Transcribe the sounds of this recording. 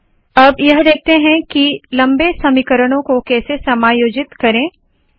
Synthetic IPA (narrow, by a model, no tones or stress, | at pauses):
ɐbjɐɦd̪eːk̚ʰt̪eɦɛ̃kilɐ̃mbesɐmikəɾəɽ̃õkokɛːsesɐmaːjoːd͡ʒɪt̪kɐɾẽː